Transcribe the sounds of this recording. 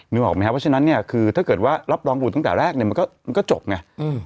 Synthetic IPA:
mɯː˧ʔɔː˨˩k̚m˧˦ka˦˥pːʰa˥na˦˥nːi˥˩ɐkʰɯː˧t̪ʰaː˥˩kɤː˨˩t̪̚waː˥˩ɾa˦˥p̚ɾɔː˧ŋbu˨˩t̪ːa˥˩t̪ɛː˨˩ɾɛː˥˩k̚ni˧˩m˧nkɔː˥˩ma˧nkɔː˥˩t͡ɕo˨˩p̚ŋa˧ɯ˧˩

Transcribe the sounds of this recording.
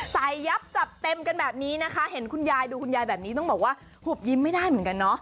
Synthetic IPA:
sa˨˧˩jːa˦˥p̚t͡ɕa˨˩t̚t̪ːe˧mka˧nbɛː˨˩p̚niː˦˥na˦˥kʰa˦˥ɦe˩˦nkʰu˧njaː˧jduː˧kʰu˧njaː˧jbɛː˨˩p̚niː˦˥ɔ˥˩ŋbɔː˨˩k̚waː˥˩ | huː˨˩p̚ji˦˥˩mːa˥˩jdaː˥˩jmɯ˩˦ŋka˧nːɔ˦˥ʔ

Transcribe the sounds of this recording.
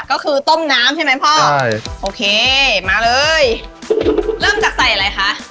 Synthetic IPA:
kɔː˥˩kʰɯː˧t̪o˥˩mnaː˦˥mt͡ɕʰa˥˩ma˦˥jpʰɔː˥˩˧jʔoː˧˩kʰeː˧maː˧lɤː˧j | ɾɤː˥˩mt͡ɕaː˨˩k̚sa˨˩jʔa˧ɾa˧jxʰa˦˥ʔ

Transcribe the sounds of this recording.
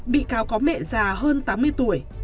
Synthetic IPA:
ɓḭ˧˨kaː˨˦wkɔ˨˦mɛ̰˧˨zaː˨˩həː˧nt̪aː˨˦mːɨ˧əjt̪u˧˩əj

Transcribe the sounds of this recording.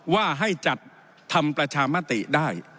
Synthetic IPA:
waː˥˩ɦa˥˩jt͡ɕa˨˩t̪̚ʰː | a˧mpɾa˧t͡ɕʰaː˧ma˥˩t̪ḭ˨˩daː˥˩j

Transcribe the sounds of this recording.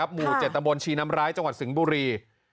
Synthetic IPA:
a˦˥p̚muː˨˩t͡ɕe˨˩t̪̚ːa˧mbo˧nt͡ɕʰiː˧na˦˥mɾaː˦˥jt͡ɕa˧ŋwa˨˩t̪̚si˩˦ŋbuː˧ɾiː˧

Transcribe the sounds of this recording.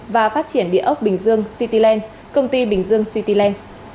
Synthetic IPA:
vaː˨˩faː˦˥t̚t͡ɕi˧˩ənɗḭ˧˨əʔə˦˥wk͡p̚ɓï˨˩ŋ̟zɨ˧əŋsi˧t̪i˧lɛ˧n | kə˧wŋ͡mt̪i˧ɓï˨˩ŋ̟zɨ˧əŋsi˧t̪i˧lɛ˧n

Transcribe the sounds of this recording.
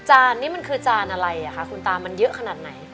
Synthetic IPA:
t͡ɕaː˧nːiː˦˥ma˧nkʰɯː˧t͡ɕaː˧nʔa˧ɾa˧ja˨˩kʰa˦˥kʰu˧nt̪aː˧ma˧njɤ˦˥ʔkʰa˧naː˨˩t̪̚na˩˦j

